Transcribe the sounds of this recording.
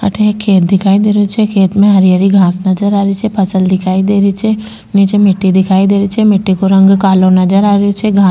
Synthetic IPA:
ɐ̰ʈʰeːkʰeːt̪̚d̪ɪkʰaːid̪eːɾot͡ʃʰekʰeːt̪mẽɦɐɾijəɾiɡʱãːsnɐd͡ʒəɾaːɾit͡ʃʰepɐsəld̪ɪkʰaːid̪eːɾit͡ʃʰe | nit͡ʃemɪʈːid̪ɪkʰaːid̪eːɾit͡ʃʰemɪʈːikoɾɐ̃ŋɡkaːlõnɐd͡ʒəɾaːɾot͡ʃʰeɡʱãː

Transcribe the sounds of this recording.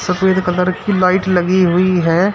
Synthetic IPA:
sɐpeːd̪kələɾkilaːɪʈlɐɡiɦʊiɦɛː

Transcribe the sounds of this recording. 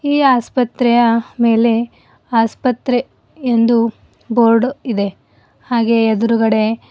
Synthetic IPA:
iːaːspɐt̪ɾɛjɐme̞ːle̞ | aːspɐt̪ɾe | end̪u | boːɾɖid̪e̞ | haːɡe̞ːd̪uɾuɡɐɽe̞

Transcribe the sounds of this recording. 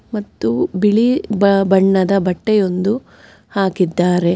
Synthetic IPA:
mɐt̪ːubiɭibbɐɳːɐd̪ɐbɐʈːejo̞nd̪u | haːkid̪ːaːɾe̞

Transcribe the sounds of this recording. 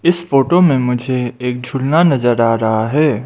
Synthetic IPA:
ɪsfoːʈomẽmʊd͡ʒʱeeːk̚d͡ʒʱʊlnanɐzəɾaːɾɐɦaɦɛː

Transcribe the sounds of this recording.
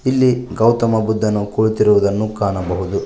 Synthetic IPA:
ilːiɡɐwt̪ɐmɐbud̪ʱːɐnːukoɭt̪iɾuʋud̪ɐnːukaːnɐbɐɦud̪u

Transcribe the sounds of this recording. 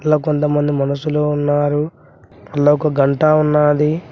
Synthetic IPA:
ɐlːaːkont̪ɐmɐnd̪imɐnɐsːuloːunːaːɾu | ɐlːaːɔkɐɡɐɳʈaunːaːd̪i

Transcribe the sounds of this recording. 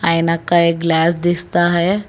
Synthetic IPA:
ainakaekɡlæːsd̪ist̪aɦəj

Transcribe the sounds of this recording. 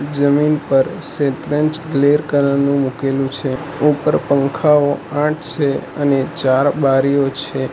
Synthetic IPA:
d͡ʒəminpəɾsẽt̪ɾə̃ɲt͡ʃɡleɾkəɾənũmukelũt͡ʃʰe | upəɾpə̃ŋkʰaoãʈʰt͡ʃʰeənet͡ʃaɾbaɾijot͡ʃʰe

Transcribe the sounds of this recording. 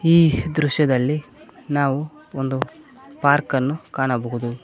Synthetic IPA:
iːd̪ɾuʂjɐd̪ɐlːinaːʋuond̪u | paːɾkɐnːukaːɳɐbɐɦud̪u

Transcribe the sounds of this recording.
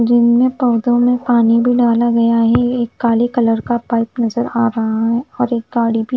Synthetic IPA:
d͡ʒɪnmẽpɐʋd̪õmẽpaːnibʱiɖaːlaɡɐjaɦɛeːkːaːlekɐləɾkapaːɪpnɐzəɾaːɾɐɦaɦɛɔːɾeːk̚ɡaːɽibʱi

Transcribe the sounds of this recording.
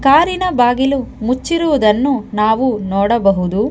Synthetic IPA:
kaːɾinɐbaːɡilumut͡ʃːiɾuʋud̪ɐnːunaːʋunɔːɽɐbɐɦud̪u

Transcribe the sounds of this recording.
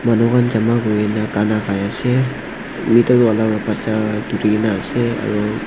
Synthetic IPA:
manukʰanzamaɡɔɹɛnakanakajasɛ | mitɔɹualaɹɔpat͡ʃadutiɛnaːsɛa̰ɹu

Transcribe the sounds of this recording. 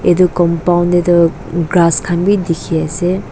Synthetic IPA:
edukɔmpawndedɔ | ɡɾaskʰanbidikʰiase

